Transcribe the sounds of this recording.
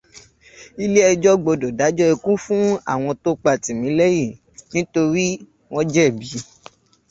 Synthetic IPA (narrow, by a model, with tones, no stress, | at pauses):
i˦le˦ɛ˧d͡ʒɔ˦ɡ͡bo˧do˨da˨˦d͡ʒɔ˦ɛ˧kũ˦fũ˦a̰˦˨w̃ɔ̃˧to˦k͡pa˧˨tĩ˨mĩ˨˦le˦je˦˨ | nĩ˨˦to˧ɾi˦ | w̃ɔ̃˦d͡ʒɛ˦˨bi˨˦